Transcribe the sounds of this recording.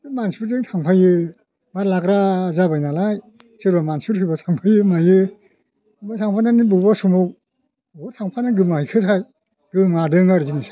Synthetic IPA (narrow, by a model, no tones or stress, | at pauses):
mansibɯɾzɯŋtʰaŋpʰajɯ | malakɾazabajnalaj | sɯɾbamansɯtʰɯbat̪ʰaŋpʰajɯmajɯ | batʰaŋpʰananibɯbasumɯw | otʰaŋpʰanaɡɯmahajkʰɯtʰaj | ɡ̥ɯmadɯŋaɾɯzinɯsḁ